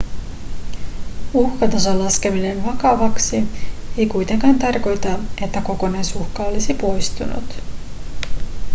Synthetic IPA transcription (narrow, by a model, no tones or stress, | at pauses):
uhkɑt̪ɑsɑlːɑske̞mine̞nʋɑkɑʋɑksie̞jkujt̪e̞ŋkɑːnt̪ɑrko̞jt̪ɑe̞t̪ːæko̞ko̞nɑjsuxkɑo̞lisipo̞jst̪ṵnṵt̪